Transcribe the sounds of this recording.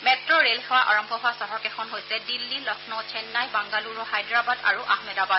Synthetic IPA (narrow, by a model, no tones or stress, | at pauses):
mɛtɹɔɹelxɛwaʔa̰ɹɔmbʱɔɦʊasɔɦɔɹkɛxʰɔnɦojsɛdilːilɔkʰnɔt͡ʃʰɛnːajbaŋɡaluɹɔhajdɹabada̰ɹuʔahmɛdabad